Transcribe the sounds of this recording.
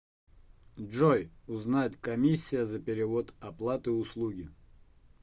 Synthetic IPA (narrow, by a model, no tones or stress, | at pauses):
ʐojʊznatʲkɐmʲisʲːɪjəzəpʲɪɾʲɪvot̪ɐplˠat̪ɨʊslˠuɡʲɪ